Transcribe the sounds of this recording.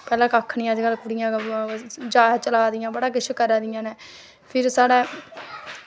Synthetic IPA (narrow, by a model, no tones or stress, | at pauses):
pɛːlãːkakʰɳɪjãːd͡ʒɡəlkʊɽɪjãː | d͡ʒaːt͡ʃəlaːd̪ɪjãːbəɽaːkɪt͡ʃʰkəɾaːd̪ɪjãːnɛː | pʰɪɾsaːɽɛː